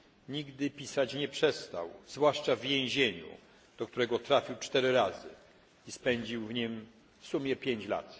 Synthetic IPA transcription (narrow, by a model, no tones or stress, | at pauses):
ɲiɡd̪ɘpʲisat͡ɕɲɛpʂɛst̪a̰wz̥vwaʂt͡ʂavjẽw̃ʑeɲṵ | d̪̥ɔkt̪uɾɛɡɔt̪ɾafʲiwt͡ʂt̪ɛɾɘɾazɘ̰ | ispɛɲd͡ʑiwvɲim | fsumʲjɛpʲjeɲt͡ɕla̰t̪